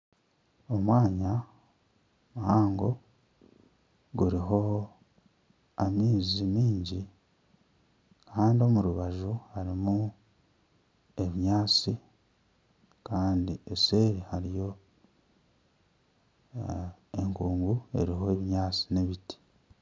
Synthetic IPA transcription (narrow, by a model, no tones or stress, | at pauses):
o̞mwaːɲa | mhaːŋɡo̞ | ɡuɾiɦo̞ | amiːzimiːɲɟi | kaaːndio̞muɾuβaʒuhaɾimu | e̞βiɲaːt͡si | kaːndiese̞ɾihaɾijo̞ | e̞ŋkuːŋɡue̞̰ɾiɦo̞eβiɲaːt͡si̥neβiti̥